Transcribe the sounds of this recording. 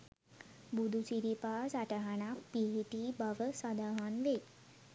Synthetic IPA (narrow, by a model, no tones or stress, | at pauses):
bud̪ʱut͡ɕiɾipasaʈaɦanapiɦiʈibaʋəsad̪aɦanʋe